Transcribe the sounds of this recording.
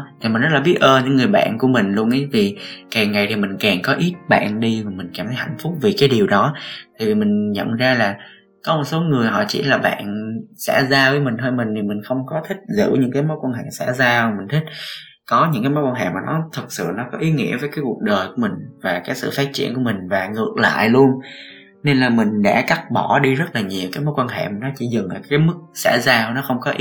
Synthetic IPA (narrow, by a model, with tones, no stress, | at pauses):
t̪ʰi˨˩mi˨˩n̟zə˦˥t̚laː˨ɓi˦˥ət̚ʔəː˧˩nɲɨ̰˧˥ŋɨ˨˩əjɓa̰ː˧˨nku˧˩əmï˨˩ŋ̟lu˧əŋʔə˨˦jvi˨˩kaː˨˩ŋːa˨˩jt̪ʰi˨˩mï˨˩ŋ̟kaː˨˩nkɔ˨˦ʔi˦˥t̚ɓa̰ː˧˨nɗi˧vaː˨˩mï˨˩ŋ̟kaː˨˩mt̪ʰə˨˦jha˧˨jŋ̟fʊ˦˥k͡p̚vi˨˩kaː˨˦jɗi˨˩əwɗɔ˨˦t̪ʰaː˧˨˩jvi˨˩mï˨˩ŋ̟ɲə̰˧˨mzaː˧laː˨˩ | kɔ˨˦mo˨˩t̚so˨˦ŋɨ˨˩əjɦɔ̰˧˩t͡ɕḭ˧˩laː˨˩ɓa̰ː˧˨nsɛ̰˧˥zaː˧vəː˨˦jmï˨˩ŋ̟t̪ʰəː˧jmï˨˩ŋ̟t̪ʰi˨˩mï˨˩ŋ̟xə˧wŋ͡mkɔ˨˦t̪ʰï˦˥k̟̚zɨ̰˧˥ɲɨ̰˧˥ŋkaː˨˦jmɔ˨˦jkwaː˧nɦa˧˩sa̰ː˧˥zaː˧˨˩mï˨˩ŋ̟t̪ʰï˦˥k̟̚ | kɔ˨˦ɲɨ̰˧˥ŋkaː˨˦mɔ˨˦jkwaː˧nɦḛ˧˨maː˨˩nɔ˨˦t̪ʰɨ˨˩t̚sɨ̰˧˨nɔ˨˦kɔ˨˦ʔi˨˦ŋḭ˧˥əvəː˨˦jkaː˨˦jku˨˩ək̚ɗəː˨˩jku˧˩əmï˨˩ŋ̟vaː˨˩kaː˨˦jsɨ̰˧˨faː˦˥t̚t͡ɕi˧˨ənku˧˩əmï˨˩ŋ̟vaː˨˩ŋɨ˨˧˩ək̚la̰ː˧˨jlu˧ən | ne˧nlaː˨˩mï˨˩ŋ̟ɗa̰ː˧˥ka˦˥k̚ɓɔ˧˩ɗi˧zə˦˥t̚laː˨˩ɲi˨˩əwkaː˨˦jmo˨˦jkwaː˧nɦḛ˧˨ma˨˩nɔ˨˦t͡ɕḭ˧˩zɨ˨˩ŋla˨˩kaː˨˦jmɨ˦˥k̚sa̰ː˧˩zaː˧˩nɔ˨˦xə˧wŋ͡mkɔ˨˦ʔi˦